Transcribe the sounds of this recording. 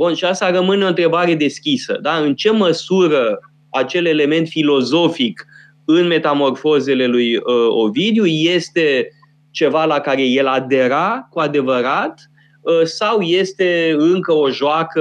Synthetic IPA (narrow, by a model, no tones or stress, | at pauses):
bunʃiast̪arəmɨneo̞nt̪ɾe̞baɾe̞d̪e̞skʲisə̰d̪aɨnt͡ʃe̞məsuɾə | at͡ʃe̞le̞le̞me̞nt̪filo̞zo̞fik | ɨnme̞t̪amo̞rfo̞ze̞le̞lujəo̞̰vid̪juje̞st̪e̞ | t͡ʃe̞valakaɾe̞je̞lad̪e̞ɾakuad̪e̞vəɾat̪ | sawje̞st̪e̞ɨŋkəo̞ʒoakə